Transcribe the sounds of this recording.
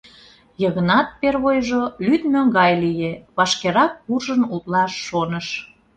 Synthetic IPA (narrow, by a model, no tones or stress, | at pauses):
jəɣənɑt̪̚perβojʒolyt̪møŋɡɑjlijeβɑʃkeɾɑk̚ːurʒənut̪lɑʃːonəʃ